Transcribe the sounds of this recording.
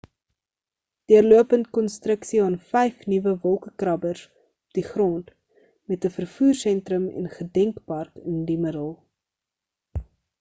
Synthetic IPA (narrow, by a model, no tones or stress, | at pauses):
d̥iərluəpəntkɔnstrəksiɑnfɛjfnivəvɔlˠkəkrɐbərs | ɔp̚diχrɔnt | mɛtəfərfuːrsɛntɾəmɛ̰nχədɛŋkpɐrkəndimədəlˠ